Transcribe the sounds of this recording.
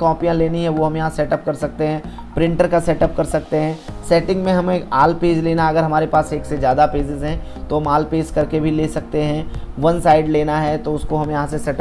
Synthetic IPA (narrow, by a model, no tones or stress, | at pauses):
kɔːpijãleːniɦɛʋoɦɐ̃mjɐɦãsɛːʈɐp̚kɐɾsɐk̚t̪eɦɛ̃ː | pɾɪ̃ɳʈəɾkasɛːʈɐp̚kɐɾsɐk̚t̪eɦɛ̃ːsɛːʈɪ̃ŋɡmẽɦɐmeaːlpeːd͡ʒleːnaɐɡəɾɦɐmaːɾepaːseːksezjaːd̪apeːsɪzɦɛ̃ | t̪oɦɐmaːlpeːskɐɾkebʱileːsɐk̚t̪eɦɛ̃ʋɐ̃nsaːɪɖleːnaɦɛt̪oʊskoɦɐmjɐɦãsesɛːʈə